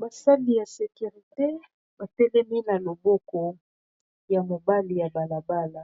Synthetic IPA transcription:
ba˨sa˦di˨ja˨se˨ky˨ʁi˨te˦ | ba˨tɛ˦lɛ˦mi˦na˨lo˨bɔ˦kɔ˨ | ja˨mo˨ba˦li˨ja˨ba˨la˨ba˦la˨

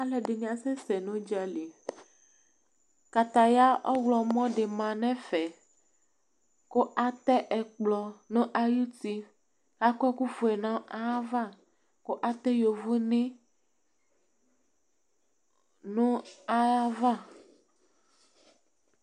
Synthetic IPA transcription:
a˦le˨ɖe˨nĩ˨a˨se˦se˨nõ˦d͡ʒa˨li˨ | ka˨t̪a˨ja˦ʔɔ˦wlɔ˨mɔ̃˦ɖe˨mã˨nɛ̃˦fɛ˨ | ko˦ʔa˦t̪ɛ˦ʔɛ˨k͡plɔ˨nũ˦ʔa˦ju˦ti˦ | a˦ku˦ɛ˦ku˦fu˨e˨nã˦ʔa˦a˦va˦˨ | ko˦ʔa˦t̪ɛ˦jo˨vu˦nĩ˦ | nũ˦a˦a˦va˦˨

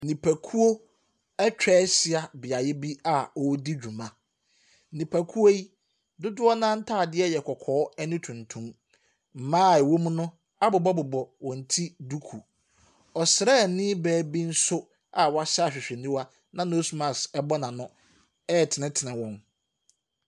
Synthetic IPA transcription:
nĩ˨pʰæ˨kʰu˦o˦ | ɛ˦t͡ɕᶣɛː˦sɪ˦a˨bɪ˨a˨jɪ˦bi˦a˦ɔ˨˦di˦d͡ʑᶣu˨mã˦˨ | nĩ˨pʰæ˨kʰu˦o˦i˦ | dʊ˦dʊ˦ɔ˦nã˦n̩˦tʰaː˦˨dɪ˦ɛ˦˨jɛ˨kʰɔ˨kʰɔː˨˦ɛ˦nʊ̃˦tʰũ˨ntʰũ˦m | m̩˨mãː˦˨ɛ˨wo˦mũ˦nʊ̃˦ | a˦bʊ˨bɔ˦bʊ˨bɔ˨wɔ̃˨n̩˨tʰi˦du˦kʰu˨ | ɔ˨sɪ˨ɾɛ˦˨nɪ̃˦bɛː˦˨bi˦n̩˦sʊ˦ | a˨wa˦ɕa˦˨ɕᶣɪ˨ɕᶣɪ˨nĩ˦wa˦ | nã˨no˦su˨mã˨sɛ˦bɔ˦nã˨nʊ̃˦ | ɛ˦˨tʰɪ˨nɪ̃˦tʰɪ˨nɪ̃˨wɔ̃˦n

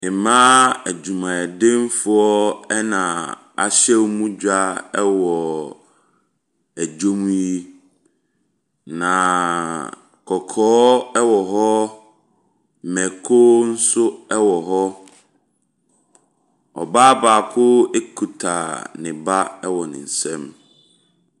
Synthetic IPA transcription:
ɪ̃˨mã˦æ˨d͡ʑu˨mã˨ɛ˨dẽ˦m˦fʊ˦ɔ˦ɛ˦nã˨ | a̰˨ɕɛ˦wmũ˦d͡ʑᶣa˦ɛ˦wɔ˨ | æ˨d͡ʑo˦mũ˦i˦ | nã˨ | kʰɔ˨kʰɔː˦ɛ˦wɔ˨ɦɔ˦˨ | mɛ˨kʰo˦n̩˦sʊ˦ɛ˦wɔ˨ɦɔ˦ | ɔ̰˨baː˦baː˨kʰʊ˦e˦kʰu˨tʰa˨nɪ̃˨ba˦ɛ˦wɔ˨nɪ̰̃˨n̩˨sɛ̃˦m

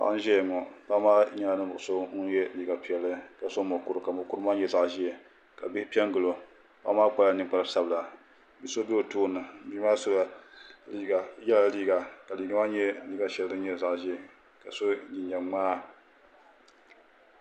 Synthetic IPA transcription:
a̰˨ʔn̩˦ʒɛ˦ja˨ŋɔ˨pa˦maː˦ɲa˦nɨ˦bʊ˨ʔso˦ŋ˦jɛ˦liː˦ɡa˨pi˨ɛ˨lːɨ˦ka˦so˦mʊ˨ku˦ɾɨ˨ka˨mʊ˨ku˦ɾɨ˦maː˦ɲɛ˨za˨ʔʒi˦ɛ˨ | ka˨bi˦hɪ˦pi˦ɛ˦ŋɡɨ˨lo˨ | pa̰˦maː˦k͡pa˦la˨nɨ˨ŋk͡pa˦lsa˨bɨ˨la˨ | bi˨so˦bɛ˦o˨tuː˦˨nɨ˨˦bi˦aː˦so˦la˨li˦a˨jɛ˦la˨liː˦ɡa˨ka˨li˨ɡa˦maː˦ɲɛ˦liː˦ɡa˨ʃɛ˨˦dɨ˦ɲɛ˦za˨ʔʒi˦ɛ˨ | ka˨so˦ɲi˨ɲɛ˨ŋ͡maː˦

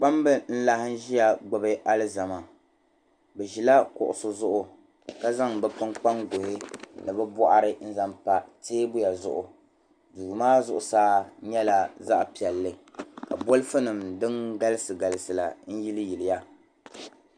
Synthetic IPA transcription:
k͡pa˦mbɨ˦n̩˦la˦hɪ˦n̩˦ʒi˦ja˨ɡ͡bʊ˨bɨ˦ʔa˦lɨ˦za˨ma˨ | bɛ˨ʒi˨la˦kʊ̰˨ʔʊ̰˨sʊ˨zʊ˦ʔʊ˨ | ka˦za˦ŋbɛ˨pɨ˦ŋk͡pa˦ŋɡʊ˨hɪ˦nɨ˨bɛ˦bɔ˦ʔa˦ɾɨ˦n̩˦za˦mpa˨teː˦bʊ˦ja˨zʊ̰˦ʔʊ˨ | duː˨maː˦zʊ˦ʔʊ˨saː˦ɲɛ˦la˨za˦ʔpi˨ɛ˨lːɨ˦ka˨bo˦lɨ˦fɨ˦nɨ˨mdɨ˦ŋɡa˦lɨ˦sɨ˨ɡa˨lɨ˨sɨ˨la̰˨n̩˦ji˦lɨ˦ji˨lɪ˨ja˦

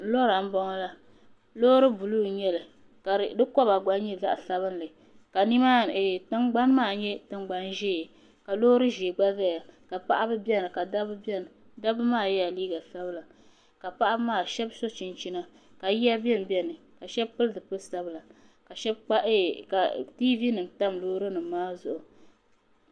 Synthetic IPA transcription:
lo˦ɾa˨m̩˦bɔ˦ŋɔ˦la˦ | lo˦ɾɨ˦bu˨lu˦ɲɛ˦lɨ˨ | ka˨dɨ˦kɔ˦ba˨ɡa˦n˦ɲɛ˦za̰˦ʔa˨sa˦βɨ˦n˦lɨ˨ | ka˨ni˦ma˦˨tɨ˦ŋɡ͡ba˦n˦maː˦˨ɲɛ˦tɨ˦ŋɡ͡ba˨nʒeː˦˨ | ka˨lo˦ɾɨ˦ʒeː˨ɡ͡ba˦za˦˨ja˨ka˨pa˦ʔa˦bɨ˦bɛ˦nɨ˨ka˨dbbn˨ | da˦bɨ˦maː˦˨jɛ˦a˨liː˦ɡa˨sa˦bɨ˦la˨ | ka˨pa˦ʔa˦maː˦˨ʃɛ˦bso˦t͡ʃi˨nt͡ʃi˦na˦ | ka˨ji˦a˦bɛ˦m˨bɛ˦nɨ˨ | ka˨ʃɛ˦bpɨ˦lɨ˦dɨ˨pɨ˦˨sa˦bɨ˦la˨ | ka˨ʃɛ˦bk͡pa˦ʔka˨ti˦vi˦nɨ˨mta˦mloː˦ɾɨ˦nɨ˨m˦maː˦zʊ˨ʔʊ˨

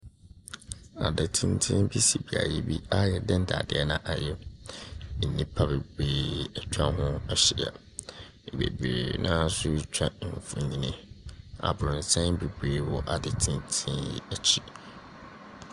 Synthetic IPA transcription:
a̰˨dɪ˨tʰɪ̃˦n˦tʰĩ˦n˦bi˦si˨bi˨a̰˨ji˦bi˦a˦jɛ˨dɛ̃˦n˦da̰˨dɪ˦ɛ˦nã˨ʔa˨jɛ˦ | n̩˨nĩ˦pʰa˦˨be˨beː˨˦ɛ˨t͡ɕᶣa˦ɦʊ̃˦a˦ɕi˦˨a̰˨ | bḛ˨bḛː˨nʔã˦sʊ˦t͡ɕᶣa˦˨ɱ˨fũ˨ɲĩ˨nɪ̃˦a̰˨bʊ˨ɾʊ̃˨n̩˨tʰɛ̃˦be˨beː˨˦wɔ˨ʔa˨dɛ˨tʰĩ˦ntʰĩ˦njḭ˦æ˨t͡ɕʰi˦

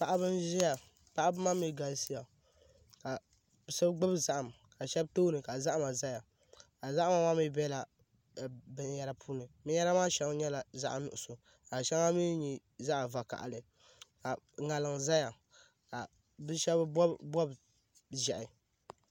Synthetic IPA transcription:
pa˨ʔa˦bɨ˦nʒi˦ja˨ | pa˦ʔa˦bɨ˦ma˦mi˦ɡa˨lsi˦ja˨ | ka˨ | sɨ˦bɡ͡bɨ˦bza˦ʔa˨m | ka˨ʃɛ˦btoː˦nɨ˨ka˨za˦ʔa˦ma˨za˦ja˨ | ka˨za˦ʔa˦ma˨maː˦mi˦bɛ˦la˨ | bɨ˦n˦ja˦ɾa˦pʰu˦nɨ˨mi˦ja˦ɾa˦maː˦ʃɛ˦ŋ˦ɲɛ˦la˨za̰˦ʔa˨nʊ̰˨ʔʊ˨so˨ | ka˨ʃɛ˦ŋa˦mi˦ɲi˨ | za˦ʔa˨va˨ka̰˨ʔa̰˨lɨ˨ | ka˨ŋa˨lɨ˨ŋza˦ja˨ | ka˨ | bɨ˦ʃɛ˦bbɔ˦b | ʒɛ˨ʔɪ˨

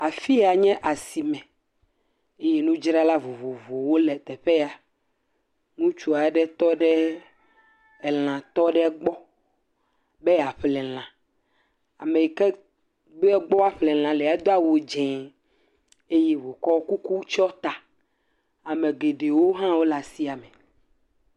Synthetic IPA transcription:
a˨fi˦a˨ɲɛ̃˦ʔa˨si˨mɛ̃˨ | e˦jɛ˦nũ˦d͡ʒɾa˦la˦vo˨vo˨vo˨wo˦lɛ˨t̪ɛ˨ɸe˦a˨ | ŋũ˦t͡ʃu˦a˨ɖɛ˦t̪ɔ˦ɖɛ˦ | ɛ˨l̃ã˨t̪ɔ˦ɖɛ˦ɡ͡bɔ˦ | be˦˨a˨ɸlɛ˨l̃ã˨ | a̰˨me˨kɛ˦ | be˦ɛ˦ɡ͡bɔ˦a˦ɸlɛ̃˨l̃ã˨lɛ˨a˦d̪o˦a˦wo˨d͡ʒɛ̃˨ | e˦jɛ˦vo˨kɔ˦ku˦ku˦t͡ʃɔ˦t̪a˨ | a˨me˨ɡe˨ɖe˨wo˦ɦã˦wo˦la˨si˦a˨me˨

